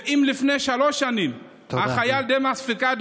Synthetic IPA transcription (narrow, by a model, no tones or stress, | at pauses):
imlifnejʃaloʃanim | aχajald̪emasfikad̪